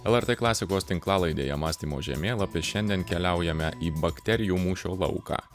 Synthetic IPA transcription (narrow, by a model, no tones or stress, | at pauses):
ɛlˠɛɾt̪eːklˠɑːsʲɪkoːst̪ʲɪŋklˠɑːlˠɐɪd̪ʲḛːjɛmɑːsʲt̪ʲiːmo̰ːʒʲɛ̰mʲeːlˠɐpʲɪʃʲɛnʲd̪ʲɛnkʲɛlʲæʊjɛmʲɛʔiːbɐkt̪ʲɛɾʲɪjuːmuːʃʲoːlˠɒ̰ʊkɑ̰ː